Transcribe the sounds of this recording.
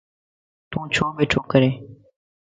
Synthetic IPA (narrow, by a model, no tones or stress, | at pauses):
t̪ũːt͡ʃʰoːbeːʈʰoːkəɾeː